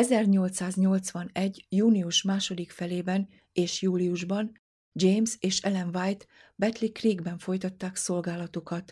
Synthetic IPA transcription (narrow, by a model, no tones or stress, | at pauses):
ɛzɛrɲo̞lt̪saːzɲo̞lt̪sʋɒnɛɟːjuːniuʃmaːʃo̞d̪ikfɛleːbɛn | eːʃjuːlijuʒbɒn | d͡ʒejmseːʃɛlɛnvajt̪ | bɛt̪likriːɡbɛɱfo̞jt̪ɒt̪ːaːkso̞lɡaːlɒt̪ukɒt̪